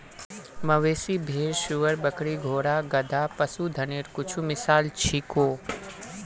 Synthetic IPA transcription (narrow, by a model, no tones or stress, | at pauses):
məʋeːsibʱeːɾʃʊʋəɾbəkɽiɡʱoːɽaɡəd̪ʱapəsud̪ʱəneːɾkʊt͡ʃʰumɪsaːlt͡ʃʰikoː